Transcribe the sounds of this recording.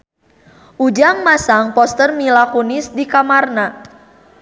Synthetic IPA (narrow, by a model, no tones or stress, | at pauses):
ʔud͡ʒaŋmasaŋpɔst̪ərmilakunisdikamarna